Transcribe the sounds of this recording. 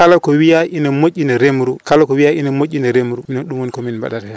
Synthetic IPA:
kalɔkɔwijaʔinɛmocʲːinɛɾemɾukalɔkɔwijaʔḭnɛmocʲːinɛɾemuɾuminɛnɗumwɔnkɔminba̰ɗaɾɛ

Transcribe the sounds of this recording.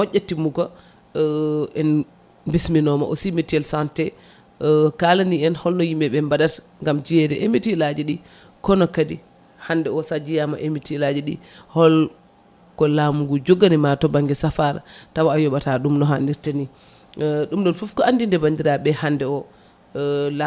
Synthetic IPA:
mɔʔːatːimuɡɔ | ʔɛn | bisminɔma̰ʔɔsimitɛlsantɛ | kalaniɛnhɔlnɔjimɛɓɛmbadat | ŋɡamd͡ʒijɛdɛʔemitilad͡ʒɛɗi | kɔnɔkadi | handɛɔsad͡ʒijama̰ʔemitilad͡ʒɛɗḭhɔl | kɔlamuɡud͡ʒoɡːanimatɔbaŋɡɛsafaɾa̰tawaajɔɓataɗumnɔɦandiɾtani | ɗumɗɔnfufkɔandindɛbandiɾaɓɛhandɛɔ | la

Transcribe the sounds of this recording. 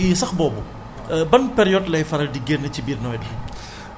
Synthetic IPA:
sɐxbɔːbu | bɐnpɛɾijɔtlɐjfɐɾɐldiɡeːrnɐcibiːrnɔːjdɐ

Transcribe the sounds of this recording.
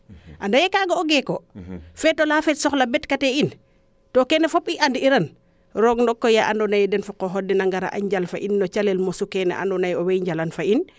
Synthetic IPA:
ʔandajɛkaɡooɡɛkɔfɛtɔlafɛtsɔxlabɛtkatɛin | tɔkɛnɛfɔpiʔandiiɾan | ɾɔɡnɔkːɔjaʔandɔnajdɛnfɔkɔɦɔdːɛnaŋɡaɾa̰ʔa̰ɲɟalfaʔinːɔt͡ʃalɛlmɔsukɛnɛ̰ʔa̰ndɔnajɔwɛɲɟalanfain

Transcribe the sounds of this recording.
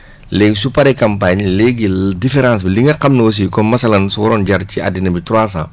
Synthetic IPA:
lɛɡsupaɾɛkɐmpaɲlɛɡidifɛɾãːns̬biliŋɐqɐmnɐwɐs̬ikɔmɐsɐlɐnsuwɔɾɔːnɟɐɾcia̰dinɐbitɾas̬ã̰

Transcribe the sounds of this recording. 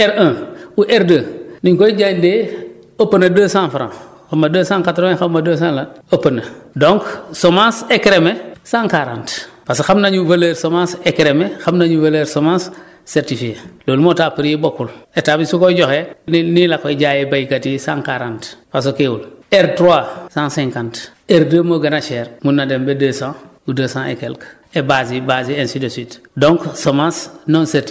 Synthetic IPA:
ɛɾãːuʔeɾdəːniŋkoiɟaːɲdeː | opənɐdəːsãːnfɾã̰ | xɐmːɐdəːsãːŋkatɾoexamɐdəːs̬ãːnlɐɐpənɐdoŋksomãːsekɾemesãːŋkaɾã̰nt | pasxamnaɲuvɐleɾsomãsekɾemexamnaɲuvɐleɾsomãːsː | ɛɾtifikeloːlmotapəɾebokuletaːbisukoɟɔxeninilakeɟaːjebajkatisãŋkaɾãntpas̬okewulɛɾtɾwasãsɛ̃ŋkãnt | eɾdəːmoɡɐnaʃɛːɾmunːadembedeːsãudəsãḛkɛlk | ebaːzibaːziẽnsidəswitdɔ̃ŋksomãsnõnsɛɾti

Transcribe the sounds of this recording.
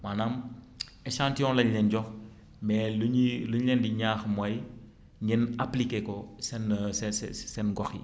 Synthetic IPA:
maːnaːm | ɛʃãːntiɔ̃nlɐɲlɛnɟɔx | mɛːluiluɲlɛndiɲaːxmɐj | ɲɡɛnaplikekɔsɛnsɛsɛsɛnɡɔxḭ

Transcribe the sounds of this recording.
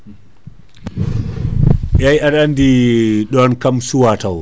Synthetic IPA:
ʔajaɗandiɗɔnkamsuwataw

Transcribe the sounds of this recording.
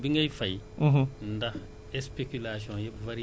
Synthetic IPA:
biŋɡɐjfɐj̩̃ɦndɐh | ɛspekylas̬iɔ̃jɛpvaɾi

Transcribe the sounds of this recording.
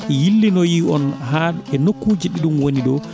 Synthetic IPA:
jilːinɔjiɔnɦalɛnokːuːd͡ʒiɗiɗumwoniɗɔ

